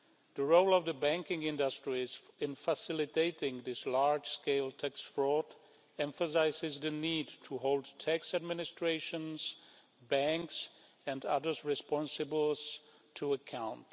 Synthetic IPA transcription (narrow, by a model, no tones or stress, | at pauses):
ðəɹoʊlˠʌvðəbæ̃ŋkɪ̃ŋɪ̃ndəstɹ̥iz̥ɪ̃nfəsɪlɨteɪtɪ̃ŋðɪslaɹd͡ʒ̥skeɪlˠtʰæksfɹɔt | ɛ̃ɱfəs̬aɪzɪzðɨnidtʰəɦoʊlˠd̚tʰæksɨd̚mɪnɨstɹ̥eɪʃə̃nz̥ | bæ̃ŋks | ɨ̃ndʌðə˞zɹɨspɑ̃nsɨbəl̩ˠz̥ | tʰuəkʰãʊ̃nt